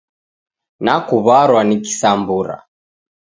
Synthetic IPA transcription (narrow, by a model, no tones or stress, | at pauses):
nakuβaɾwaniki̥sambuɾa̰